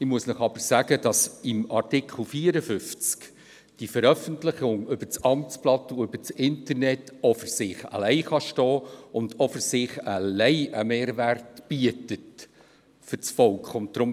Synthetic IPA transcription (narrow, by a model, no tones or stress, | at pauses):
ɪmuəsnəχɑb̥əɾsæːɡəd̥ɑsɪmɑrtɪkχl̩fiːəɾəfʏft͡sk | d̥ifəɾœfəntlɪχʊŋʏb̥ət͡sɑmt͡splɑtuʏb̥ət͡sɪntəɾnɛtɔfʏɾsɪχa̰lɛɪχɑʃtɔːʊndɔfʏɾsɪːχəlɛɪʔəmeːɾværtb̥iətət | fʏt͡sfɔlkχʊnt̚d̥ɾʊm